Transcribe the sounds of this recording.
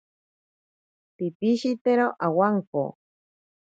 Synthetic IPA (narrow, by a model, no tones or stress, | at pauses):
pipiʃit̪eɾoʔawaŋko̰